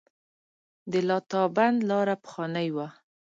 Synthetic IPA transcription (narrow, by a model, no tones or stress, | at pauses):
d̪əlɑt̪ɑband̪lɑɾapə̥xɑnəjwa